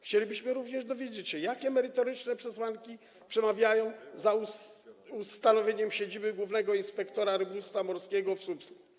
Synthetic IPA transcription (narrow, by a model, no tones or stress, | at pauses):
xt͡ɕelʲibɘɕmɘɾuvɲɛʐd̪ɔvʲjed͡ʑet͡ɕɕɛjakʲɛmɛɾɘt̪ɔɾɘt͡ʂnɛpʂɛswaŋkʲi | pʂɛmavʲjajɔ̃w̃zauust̪anɔvʲjeɲɛmɕed͡ʑibɘɡwuvnɛɡɔinspɛkt̪ɔɾaɾɘbust̪famɔɾskʲɛɡɔfsupsku̥